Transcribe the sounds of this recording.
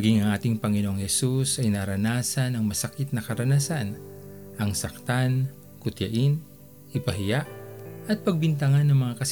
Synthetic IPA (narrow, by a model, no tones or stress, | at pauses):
ɐɡiŋɐŋʔaːt̪ɪŋpɐŋɪnoʔoŋhɛsusɐjnaɾɐnaːsɐnɐŋmɐsɐkɪt̪̚nɐkɐɾɐnasan | ʔɐŋsɐk̚t̪an | kʊt̪jɐʔɪn | ʔɪpɐɦɪjaʔʔɐt̪̚pɐɡ̚bɪnt̪̬ɐŋanːɐŋmɐŋakɐs